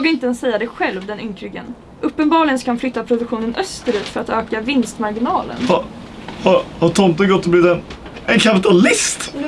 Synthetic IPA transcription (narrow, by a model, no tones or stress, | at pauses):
ɡɾɪnt̪əɛnsɛjːad̪ɛjɧɛlvd̪ɛnʏŋkʰɾʏɡə̰n | ʔɵpːənbɑːɭɪɡənskaanflʏt̪ːapʰɾʊd̪ɵkɧuːnənʔœst̪əɾʉːt̪fœɾat̪øːkavɪnst̪maɾɡɪnɑːlə̰nhɑ | hɑɾhɑɾt̪ʰɔnt̪əɡɔt̪ːɔbliːvɪt̪ɛn | ɛnkʰapɪt̪ʰalɪst̪